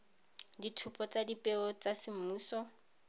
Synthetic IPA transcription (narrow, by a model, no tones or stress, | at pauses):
ditʰupʰʼɔt͡sadipʼɛɔt͡sasɪm̩muːsɔ